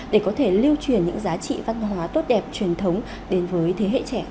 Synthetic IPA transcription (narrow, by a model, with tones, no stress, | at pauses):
ɗe˧˩kɔ˨˦t̪ʰe˧˩li˧əwt͡ɕwi˧˩ənɲɨ̰˧˥ŋzaː˨˦t͡ɕḭ˧˨va˧nɦwaː˨˦t̪o˦˥t̚ɗɛ˨˩p̚t͡ɕwi˨˩ənt̪ʰə˨˦wŋ͡m | ɗe˨˦nvəː˨˦jt̪ʰe˨˦ɦḛ˧˨t͡ɕɛ˧˩